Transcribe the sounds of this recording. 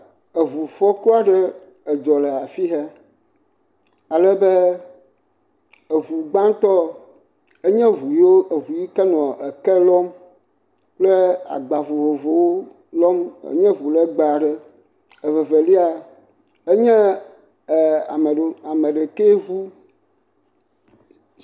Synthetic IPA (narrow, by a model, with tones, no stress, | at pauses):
e˨βu˨fɔ˦ku˦a˦ɖɛ˦ | ɛ˨d͡ʒɔ˨lɛ˨a˨fi˦ɦɛ˦ | a˨lɛ˦bɛ˦ | e˨βu˨ɡ͡bã˦ŋ˦t̪ɔ˦ | e˦ɲɛ̃˦ɦu˨jo˦e˨ɦu˨ji˦kɛ˦nɔ̃˨ɛ˨kɛ˦lɔ˦m | k͡plɛ˦a̰˨ɡ͡ba˨vo˨vo˨vo˨wo˦ | lɔ˦mḛ˦ɲɛ̃˦ɦu˨lɛ˦ɡ͡ba˨ɖɛ˦ | e˨vɛ˨ve˨li˦a˨ | e˦ɲɛ̃˦˨ | a˨a˨mɛ̃˨ɖe˨ke˦ɦu˦